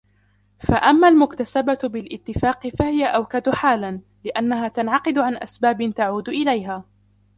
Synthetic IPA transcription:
faʔamːaːlmʊkt̪asababɪlʔɪt̪ːɪfaːqɪfahɪjaʔawkad̪ʊħaːlan | lɪʔanːaɦaːt̪anʕɑqɨd̪ʊʕanʔa̰sbaːbɪnt̪aʕuːd̪ʔɪlajɦaː

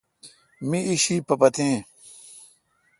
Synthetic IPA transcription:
mĩiɕiːpɐpɐt̪ʰẽː

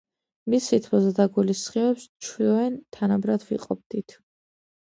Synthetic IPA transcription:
misit̪ʰmɔzɛd̪aɡulisχivɛpst͡ʃʰwiɔɛnt̪ʰanabɾad̪ʰvḭqʼɔ̰b̚d̪it̪ʰ

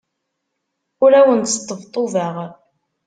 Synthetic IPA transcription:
ʊɾæwənt̪st̪ˤːəvt̪ˤːoðəʁ

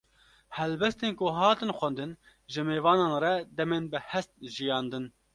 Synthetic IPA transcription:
hɛlbɛst̪eːnkʊɦɑːt̪ɨnxʷɛnd̪ɨn | ʒɨmeːvɑːnɑːnrɛd̪ɛmeːnbɨhɛst̪̚ʒijɑːnd̪ɨn

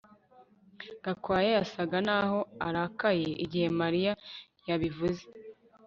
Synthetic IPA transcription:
ɡakwaːjejasaɡanaːho̞aɾaːkaje̞ʔiɟihe̞maɾija | jaβivuze

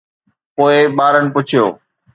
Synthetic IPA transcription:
poːɪɓaːɾənɪ̆pʊt͡ɕʰijo̰ː

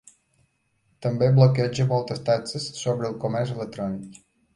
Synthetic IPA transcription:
t̪əmbeblokɛʒəmolˠt̪əst̪at͡səsːobɾəlˠkomɛrselek̚t̪ɾɔnik

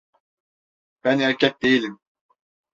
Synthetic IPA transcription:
b̥ænhæɾcʲɛt̪̚d̪ejilʲim

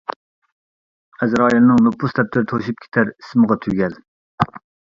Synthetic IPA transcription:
ɛzɾɑːjɑnɨŋnopʰːust̪ʰɛp̚t̪ʰɪɾt̪ʰoʃip̚kʲʰe̥t̪ʰɛɾi̥sməʁɑt̪ʰyɡʲɛl

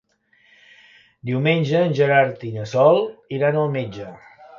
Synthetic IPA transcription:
d̪iwmenʲd͡ʒəːnʲʒəɾaɾt̪inəsɔlˠiɾanəlˠmed͡ʒə

